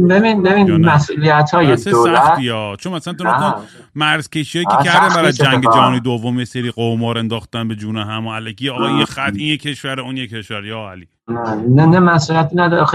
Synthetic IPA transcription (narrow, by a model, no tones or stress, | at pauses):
beβinbeβiːnmæsʔuliæt̪ʰhɒːjeseolæiɒːt͡ʃʰonæsæænt̪ʰonɔ | mæɾz̥cʰʲe̞ʃiɒjʰeɾd̪æfæɾæzd͡ʒæɡed͡ʒæɦɒːnid̪ovːomjeseɾiːqomɒːɾe̞nd̪ɒːxt̪ænbed͡ʒuːneɦæmoælekʰiɒɣɒexæt̪injekʰeʃvæɾeunjekʰeʃvæɾjɒːæli | nenemæsulijæt̪inæd̪ɒɾxe